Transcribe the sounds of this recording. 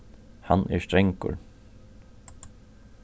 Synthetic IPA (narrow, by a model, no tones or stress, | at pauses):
hanʔɛst̪ɾɛŋkʊ̰ɹ